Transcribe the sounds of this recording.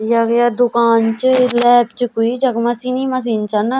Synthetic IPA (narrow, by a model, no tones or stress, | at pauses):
jaɡjaːd̪ʊkaːnt͡ʃəlɛːpt͡ʃkoiːd͡ʒəkmasiːniːmas̬iːnt͡ʃan